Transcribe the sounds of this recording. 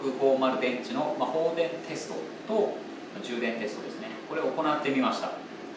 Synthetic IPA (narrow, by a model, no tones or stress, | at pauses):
kɯ̟ɸo̞ːmaɾɯ̟d̪ẽ̞ɲt͡ɕino̞maho̞ːd̪ẽ̞nt̪ʰe̞sɨ̥t̪o̞̰t̪o̞ | mad͡ʑɨːd̪ẽ̞nt̪e̞sɨ̥t̪o̞d̪e̞sɨne̞ko̞ɾe̞oko̞nat̪ːe̞mʲimaɕi̥t̪a̰